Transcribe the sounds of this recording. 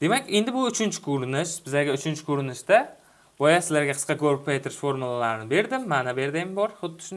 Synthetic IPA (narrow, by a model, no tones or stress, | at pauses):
d̪̥e̞makʲend̪ɪbʊʊt͡ʃʰɪnt͡ʃʰɪ̥kʰoɾɪnɪʃb̥ɪzaɡʲaʊt͡ʃʰɪnt͡ʃʰɪ̥kʰɵɾɪnɪʃd̪a | bɒjasɪzlaɾɡʲaqʰɨ̥sqʰɑkʰoɾɪp̚pʰajt̪ʰɪɾɪʃfo̞ɾmulˠalaɾɪnɪbe̞ɾd̪ɪmːanabe̞ɾd̪embɒɾχʊd̪ːɪ̥ʃʊn